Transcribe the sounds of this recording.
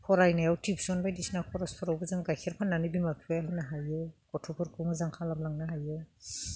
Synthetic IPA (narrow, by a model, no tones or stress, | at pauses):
kʰɔɾajnajawtʰipsɔnbajdisnakʰɔɾɔspʰɔɾawbɯzaŋɡajkʰeɾpʰanːanibimakʰibajaɦanaɦajɔwkɔtʰɔpʰɔɾkʰumɯzaŋkʰalamlaŋnaɦajɔw